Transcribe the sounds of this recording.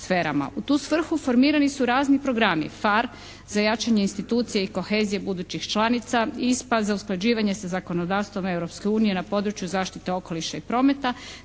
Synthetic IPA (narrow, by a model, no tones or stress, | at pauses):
sfeːɾa̰ma̰ut̪uːsʋr̩xufo̞ɾmiːɾanisuɾaːznipɾo̞ɡɾamḭfaɾ | z̥ajat͡ʃaɲeinst̪it̪uːt̪sije̞iko̞xe̞ːzije̞bud̪uːt͡ɕixt͡ʃlˠanit̪saispad̪zausklˠad͡ʑiːʋaɲe̞sazako̞no̞d̪aːʋst̪ʋo̞mevɾo̞pske̞uːnije̞napo̞ːd̪ɾut͡ʃjuzaːʃt̪it̪e̞o̞ko̞liʃaipɾo̞ːme̞t̪a